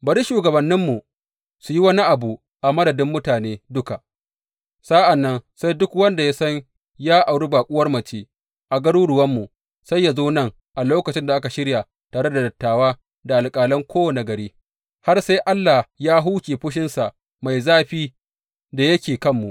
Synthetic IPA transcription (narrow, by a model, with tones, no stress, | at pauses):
bɐ˨ɾi˦ʃuː˨ɡɐ˨bɐ˨nːɪ˦mːu˨ | su˨ji˦wɐ˦ni˦ʔa˨bu˨ | ʔa˨mɐ˦dɐ˨dɪ˦mːʊ˦taː˨neː˦dʊ˦ka˨ʔ | sa˦ʔa˨nːɐ˦nsa˦jdʊ˦kwɐ˦nda˨ja˦sɐ˦ɲ | jaː˦ʔa˨wɽi˦baː˨kʷʼʊ˦wɐ˦rmɐ˨t͡ʃeː˦ | ʔa˨ɡɐ˦ɽuː˦ɽʊ˨wɐ˦mːu˨ | sa˦jːa˨zoː˦nɐ˦˨ŋ | ʔa˨loː˦kɐ˨t͡ʃɪ˦nda˨ʔa˦ka˨ʃɪ˦ɽja˨ | taː˨ɽe˦da˨dɐ˨tːaː˨waː˦ | da˨ʔa˨lkʼaː˨lɐ˦ŋkʷoː˦wɐ˨na˨ɡɐ˨ɾiː˦ | ha˦rsa˦jʔa˦lːa˨jaː˦ɦuː˦kʲeː˨ɸʊ˦ʃ̬ɪ˦nsa˨ʔ | ma˨jzaː˦ɸiː˦ | da˨jɐ˦kʲeː˨kɐ˦mːu˨ʔ